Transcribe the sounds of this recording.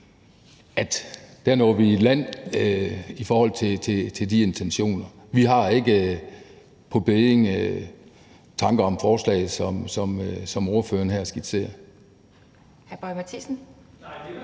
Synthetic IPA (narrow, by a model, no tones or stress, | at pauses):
æd̥d̥æɐnɒ̰ːʋi̥læn̰ | ifɒːhɒ̽l̰t͡sʰe̝t͡sʰe̝t͡sʰe̝ldie̝nt͡sʰenɕo̝̰ːnɐ | ʋiɦɑ̈e̝ɡ̥ə | pʰɒ̽b̥eðˠeŋ | t͡sʰɑ̈ŋɡ̥ɐɒ̽mfɒːslɛ̰ːɪð̩ˠsɒ̽msɒ̽msɒ̽mo̝ɐfø̰ːɐnɦæɐ̰sɡ̥id̥se̝̰ːɐ | hæb̥ɒɪmæt͡sʰisn̩